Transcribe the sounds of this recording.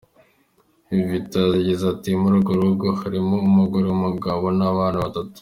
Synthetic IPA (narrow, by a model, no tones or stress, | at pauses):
ivitaziɟizatimuɾuɡoɾuuɡohaɾimoːmuɡuɾewumuɡaβonaβaːnaβatatu̥